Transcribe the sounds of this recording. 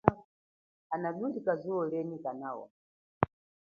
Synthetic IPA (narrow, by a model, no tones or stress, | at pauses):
anaɗundikazuwɔlɛnikanaːwɔ̰